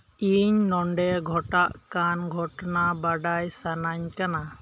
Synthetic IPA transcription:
iɲnɔɳɖɛɡʱɔʈaʔkanɡʱɔʈɔnabaɖajsanaɲkana

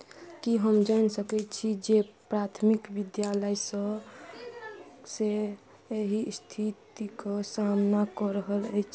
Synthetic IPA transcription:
kiɦəmd͡ʒansəkɛt͡ʃʰid͡ʒepɾat̪ʰmikʋid̪jaləjsə | se | eɦist̪ʰit̪ikəsamnakɔɾəɦələt͡ʃʰ

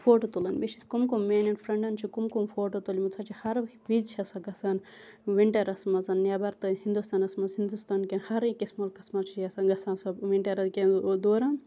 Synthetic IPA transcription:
fʰoːʈot̪ulɐnbet͡ʃʰit̪ʰkumkummeːnɐnfɾɐɳɖɐnt͡ʃʰikumkumfʰoːʈot̪olimut͡sʰɐt͡ʃʰihɐɾʋizt͡ʃʰɐsɐɡɐsaːn | ʋiɳʈɐɾɐsmɐzɐnːjaːbɐɾt̪ɐɦind̪ust̪aːnɐsmɐshind̪ust̪aːnkenhɐɾikismɐlkɐsmɐt͡ʃʰiɐsɐɡɐsaːnsɐʋiɳʈɐɾɐd̪kʲed̪oːɾaːn

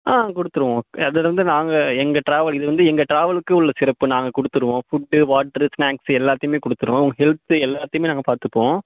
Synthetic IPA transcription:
ʔãːkɔɽɯt̪ːɯɾɯʋõːɐðɐɾɐnd̪ɯnaːŋɡɐɛŋɡɐʈɾaːʋɐɭɪðɯʋɐnd̪ɯɛŋɡɐʈɾaːʋɐɭɯkːɯʊɭːɐsɪɾɐpːɯnaːŋɡɐkɔɽɯt̪ːɯɾɯʋõːfʊɖːɯʋaːʈːɐɾɯsnaːksɛlːaːt̪ːɐjɯmeːkɔɽɯt̪ːɯɾõɐɐŋɡɐɦɛlt̪ɯɛlːaːt̪ːɐjɯmeːnaːŋɡɐpaːɾt̪ɯpːõː

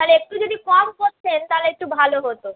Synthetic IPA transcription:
t̪aleek̚ʈud͡ʑod̪ikɔmkoɾt͡ɕʰent̪aleek̚ʈubʱaloɦot̪o

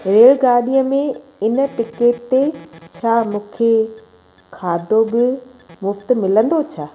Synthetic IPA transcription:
ɾeːɭɡaːɗijəmẽɪnə̆ʈɪkeːʈt̪et͡ɕʰaːmũːkʰe | kʰaːd̪ʱobɪmʊft̪̆mɪlə̃nd̪ot͡ɕʰaː

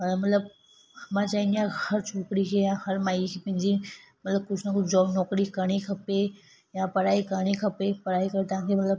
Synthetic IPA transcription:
ɦənemət̪ləb̚ | hmãt͡ʃaːĩniãhəɾt͡ʃʰoːkɽikʰejãhəɾmaːjkʰepɐ̃ĩd͡ʒimət̪ləb̚kʊt͡ʃʰnakud͡ʒɔːbnɔːkɽikəɽ̃ikʰəpe | jãpəɾaːikəɽ̃ikʰəpepəɾaːikəɾet̪ãkʰemət̪ləb

